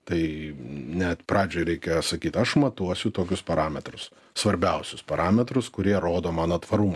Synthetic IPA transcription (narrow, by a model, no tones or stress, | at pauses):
t̪ɐɪnʲɛt̪pɾɑːd͡ʒʲoːɪɾʲɛɪkʲɛsɐkʲiːt̪ɐʃmɐt̪uɔsʲʊt̪oːkʲʊspɐɾɑːmʲɛt̪ɾʊs | sʋɐɾʲbʲɛʊsʲʊspɐɾɑːmʲɛt̪ɾʊskʊɾʲiɛɾoːd̪oːmɑːnoːt̪ʋɐɾumɐ